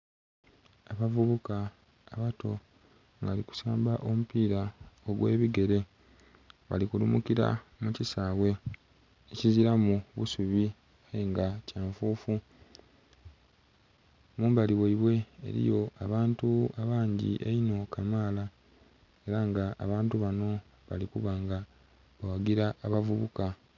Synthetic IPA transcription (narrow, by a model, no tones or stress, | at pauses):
aβavuβukaː | βato̞ | ŋɡaliku̥saːmbaʔo̞mupiːɾaoɡweːβiɡe̞ɾe̞ | βa̰likulṵmukiɾa̰mucisaːβwe̞ | eciziɾamuβusuβi | ajeŋɡacaːɱfuːfu | muːmbaliweiβwe̞ḛɾḭjo̞aβaːntuaβaːɲɟḭʔeino̞kamaːla | e̞ɾaŋɡaʔːβaːntuβano̞ | βa̰likuβaŋɡa | βawaɡiɾaːβavuβuka